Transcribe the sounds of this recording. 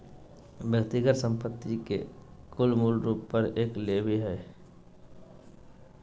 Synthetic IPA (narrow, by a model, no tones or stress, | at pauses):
bjək̚t̪iɡəɾsə̃mpət̪ːikḛkʊlmuːlɾuːpːəɾeːklebʱiɦɛː